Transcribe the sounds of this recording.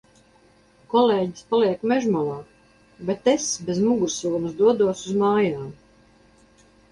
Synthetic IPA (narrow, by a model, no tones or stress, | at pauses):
kɔleːɟispaliɛkmɛʒmɔlaː | bɛt̪esbezmuɡuɾsuːmusd̪uɔd̪uɔsuzmaːjaːm